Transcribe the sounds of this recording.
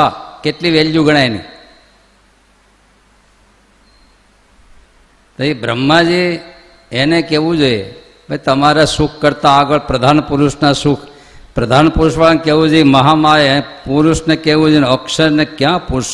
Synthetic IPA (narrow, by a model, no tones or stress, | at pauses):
akeʈliʋeljuɡəɽ̃ajnḭ | t̪oibɾə̰mːad͡ʒi | enekeʋũd͡ʒojḛ | bʱəjt̪əmaɾasukʰkəɾt̪aːɡəɭpɾəd̪ʱanpuɾuʃnasukʰ | pɾəd̪ʱanpuɾuʃʋankeʋũd͡ʒoiməɦamajnepuɾuʃnekeʋũd͡ʒoenəkʃəɾnekjãpuɾ